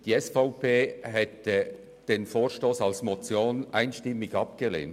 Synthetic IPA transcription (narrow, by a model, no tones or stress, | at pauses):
d̥iːɛsfaʊpeːɦɛtə | d̥eːnfoːʁʃtoːsalsmot͡sjoːnʔaɪnʃtɪmːɪɡɑpɡ̥əlḛːn